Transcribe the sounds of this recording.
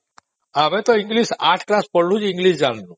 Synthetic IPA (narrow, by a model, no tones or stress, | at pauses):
abet̪ɔiŋɡlisaʈʰklaspɔɽlud͡ʒiŋɡlisd͡ʒanlu